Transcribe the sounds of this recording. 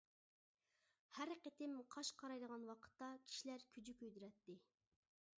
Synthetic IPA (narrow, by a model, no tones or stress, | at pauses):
hæɾqet̪ɪmqʰɑʃqʰɑɾɑjd̪əʁɑnwɑqʰə̥t̪ːɑkʲʰi̥ʃilæɾkʲʰyd͡ʒykʲøjd̪yɾɛt̪ːɪ